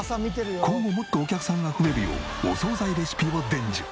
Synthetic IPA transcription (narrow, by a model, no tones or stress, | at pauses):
samʲit̪eɾɯjokʰõ̞ŋɡo̞mo̞t̪ːo̞ːkʲakɯ̥sãŋɡaɸɯ̟e̞ɾɯ̟jo̰ː | oso̞ːzaid̪e̞ɕi̥pʲibod̪ẽ̞ɲd͡ʑḭ